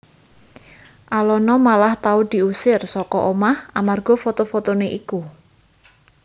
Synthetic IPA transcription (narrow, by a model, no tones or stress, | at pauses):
ʔalɔnɔmalaht̪aud̪̥i̤usɪrsɔkɔʔomahamarɡ̥ɔ̤fot̪ofot̪oneʔiku